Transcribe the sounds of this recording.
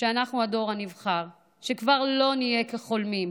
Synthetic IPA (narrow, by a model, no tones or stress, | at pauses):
ʃeanaχnuado̞ʁanivχaʁ | ʃekvaʁlo̞nijekeχo̞lmim